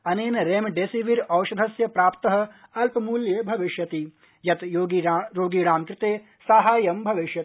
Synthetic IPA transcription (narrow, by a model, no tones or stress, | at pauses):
ɐneːnɐɾeːmɖeːsiʋiɾɐwʃɐd̪ʱɐsjɐpɾaːpt̪ɐɦɐ̆ɐlpɐmuːljebʱɐʋiʃjɐt̪i | jɐt̪joːɡiɾoːɡiɽaːmkɾɪt̪eː | saːɦaːjɐmbʱɐʋiʃjɐ